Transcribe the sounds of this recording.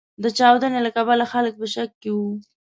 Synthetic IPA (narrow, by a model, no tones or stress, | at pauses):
d̪ət͡ʃɑwd̪ənelakabalaxalək̚pəʃakːewu